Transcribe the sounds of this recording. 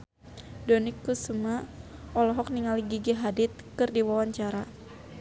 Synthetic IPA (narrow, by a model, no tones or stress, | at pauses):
dɔnikːusumaʔɔlɔɦɔk̚niŋaliɡiɡiɦadɪt̪̚kɨrdiwawaɲt͡ʃaɾa